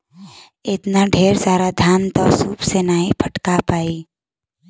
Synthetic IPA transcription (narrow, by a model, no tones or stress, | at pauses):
ɪt̪naɖʱeːɾsaːɾad̪ʱjaːnt̪ɔːsuːpsenaːɦĩpʰəʈkapaːi